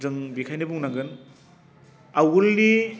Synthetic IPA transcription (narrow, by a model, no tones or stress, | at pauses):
zɯŋbikʰajnɯbuŋnaɡɯn | awulni